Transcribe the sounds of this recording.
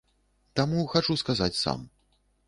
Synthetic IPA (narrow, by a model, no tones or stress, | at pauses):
t̪amuxat͡ʂuskazat͡sʲsa̰m